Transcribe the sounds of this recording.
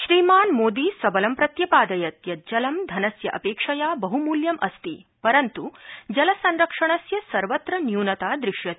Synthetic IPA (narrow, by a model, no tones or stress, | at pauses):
ʃɾiːmaːnmoːd̪iːsɐbɐlɐmpɾɐt̪jɐpaːd̪ɐjɐt̪jɐd͡ʒɐlɐmd̪ʱɐnɐsjɐʔɐ̰peːkʂɐjaːbɐɦumuːljɐmʔɐst̪ipɐɾɐnt̪ud͡ʒɐlɐsɐnɾɐkʂɐɳ̃ɐsjɐsɐɾʋɐt̪ɾɐnjuːnɐt̪aːd̪ɾɪʂjɐt̪i